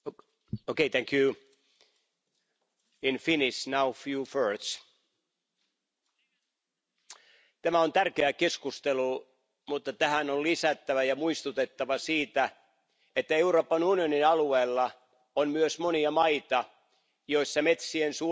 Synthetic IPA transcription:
okeit̪ʰæ̃ŋkju | infinisnawfjuːføːt̪s | t̪æmæont̪ærkeækeskust̪elu | mut̪ːɑt̪æhænolisæt̪ːæʋæjɑmuist̪ut̪et̪ːɑʋɑsiːt̪æ | et̪ːæeuroːpːɑnunioninɑlueːlːɑ | onmyøsmoniɑmɑit̪ɑ | joisːɑmet̪siensu

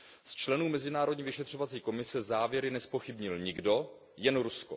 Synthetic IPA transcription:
st͡ʃlɛnuːmɛzɪnaːɾodɲiːvɪʃɛt̪r̝̥o̞vat͡siːko̞mɪsɛzaːvjɛɾɪnɛspo̞xɪbɲɪlɲɪɡdo̞ | jɛnɾusko

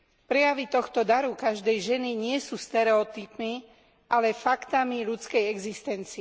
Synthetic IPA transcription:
pɾɛjaʋit̪ɔxt̪ɔd̪aɾukaʒd̪ɛjʒɛniɲɪɛsuːst̪ɛɾɛɔt̪ipmi | ʔalɛfakt̪amiʎut͡skɛjɛɡzist̪ɛnt͡siɛ

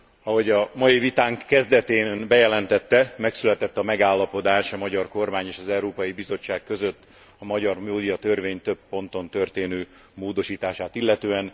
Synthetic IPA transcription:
ɒɦo̞ɟɒmɒjivit̪aːŋkːɛzd̪ɛt̪eːnbɛjɛlɛnt̪ɛt̪ːɛmɛksylɛt̪ɛt̪ːɒmɛɡaːlːɒpo̞d̪aːʃɒmɒɟɒrko̞rmaːɲeːʃɒzɛuɾoːpɒjibizo̞t͡ʃːaːkkø̞zø̞t̪ː | ɒmɒɟɒrmoːd̪ijɒt̪ørveːɲt̪øpːo̞nt̪o̞nt̪ø̞rt̪eːnøː | moːd̪o̞ʃiːt̪aːʃaːt̪ilːɛt̪øːɛn

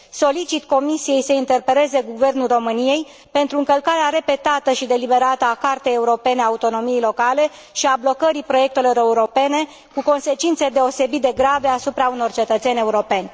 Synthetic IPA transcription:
so̞lit͡ʃit̪ko̞misije̞jsəint̪e̞rpele̞ze̞ɡuve̞rnulro̞mɨnije̞j | pe̞nt̪ɾuɨŋkəlkaɾeaɾe̞pe̞t̪at̪əʃid̪e̞libe̞ɾat̪əakart̪e̞jeuɾo̞pe̞neaut̪o̞no̞mije̞jlo̞kale̞ | ʃiablo̞kəɾipɾo̞je̞k̚t̪e̞lo̞ɾe̞uɾo̞pe̞ne̞ | kuko̞nse̞t͡ʃint̪se̞d̪e̞o̞se̞bit̪̚d̪eɡɾave̞asupɾauno̞rt͡ʃe̞t̪ət̪se̞nʲe̞uɾo̞pe̞nʲ

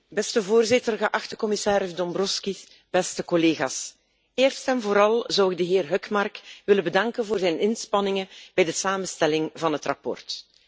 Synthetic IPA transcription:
bɛstəvoːrzɪtərɣəʔɑxtəkɔmɪsaːɾəzdɔmbrɔskis | b̥ɛstəkɔleːɣa̰ːs | eːrstɛnvoːɾɑlˠzɑwɪɡ̚dəɦɪːrɦœkmɑrkʋɪləbədɑŋkənvoːrzɛjnɪnspɑnɪŋəb̥ɛjdəsaːməstɛlɪŋvɑnɦətrɑ̰pɔ̰rt

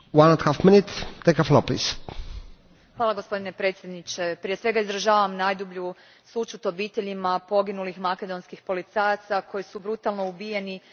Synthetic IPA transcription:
wãnãnt̪hafminit̪t̪ːekəfloplḭːs | xʋaːlaɡo̞spo̞d̪ine̞pɾe̞t̪sje̞d̪nit͡ʃe̞pɾije̞sʋe̞ɡaizɾaʒaːʋamnajd̪ubʎu | sut͡ʃut̪o̞biːt̪e̞ʎimapo̞ɡinulixmake̞d̪o̞nskixpo̞lit̪sajat̪sakʰo̞jisubɾut̪alˠnoubijeni

